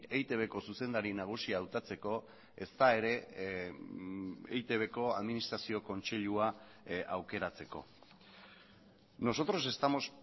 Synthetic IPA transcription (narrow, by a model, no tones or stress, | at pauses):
ejt̪e̞βe̞ko̞suse̞nd̪aɾinaɣ̞usiaːwt̪at͡se̞ko̞ | e̞st̪ae̞ɾe̞ | ḛjt̪e̞β̞e̞ko̞a̰ðminist̪ɾasio̞ko̞nt͡se̞ʎua | awke̞ɾat͡se̞ko̞̰ | no̞so̞t̪ɾo̞se̞st̪amo̞s